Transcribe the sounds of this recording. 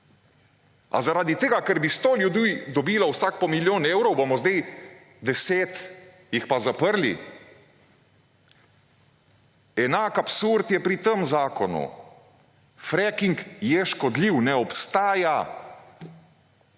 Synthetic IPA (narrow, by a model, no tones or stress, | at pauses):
a̰zaɾaːd̪it̪eːɡakəɾbist̪oljud̪iːd̪ɔbiːlawsaːk̚pɔmiljoːneːwɾɔwbomɔzd̪ej | d̪ɛseːt̪ | jixpazapəɾlḭ | ɛnaːkapsuɾt̪jɛpɾit̪əmzaːkɔnṵ | fɾɛkiŋkjɛʃkɔd̪liwnɛɔpst̪aːja